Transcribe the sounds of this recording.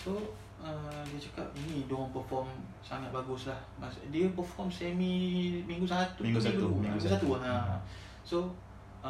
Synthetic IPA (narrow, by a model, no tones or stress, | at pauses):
so | əmdiət͡ʃakap̚inĩdonpəfɔm | saŋat̪̚baɡuslahmasdiəpəfɔmsɛmimĩŋɡusat̪umĩŋɡusat̪umiŋuɡusat̪uana | so